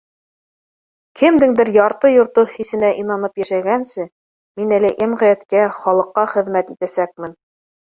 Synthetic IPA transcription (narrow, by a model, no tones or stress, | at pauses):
kʰɘmd̪ɘŋd̪ɘɾjɑɾt̪ɤjŏɾt̪ɤhisɘ̆næʔinɑnɤpjæʃæɡænsɘ | minælɘʔemʁæjæt̪kæχɑlˠɤ̆qːɑχɘ̆ðmæt̪it̪æsæk̚mɘn